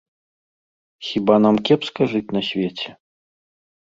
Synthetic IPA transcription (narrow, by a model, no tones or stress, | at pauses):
xʲibanamkʲɛpskaʐɨt͡sʲnɐsʲvʲet͡sʲɛ